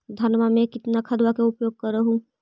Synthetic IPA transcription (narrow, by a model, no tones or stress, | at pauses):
d̪ʱɐnmamẽkɪt̪nakʰɐd̪wakeʊpjoːɡ̚kəɾːəɦũ